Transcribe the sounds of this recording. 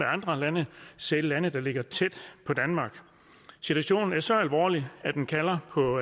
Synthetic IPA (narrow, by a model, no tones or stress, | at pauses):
eɑ̈nd̥ʁɐlænəsellænəd̥ɑ̈le̝ɡ̥ɐt͡sʰed̥pʰɒ̽d̥ænmɑ̈ːɡ̥ | sit͡sʰuæɕo̝̰ːnn̩æɐsɒ̽ælʋɒ̰ːliæd̥enkʰælɐpʰɒ̽